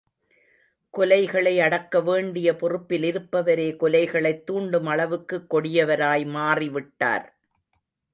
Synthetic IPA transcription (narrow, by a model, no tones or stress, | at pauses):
kɔlɐɪɣɐɭɐɪɐɽɐkːɐʋeːɳɖɪjɐpɔrɯpːɪlɪɾɯpːɐʋɐɾeːkɔlɐɪɣɐɭɐɪt̪ːuːɳɖɯmɐɭɐʋɯkːɯkːɔɽɪjɐʋɐɾaːjmaːriʋɪʈːa̰ːɾ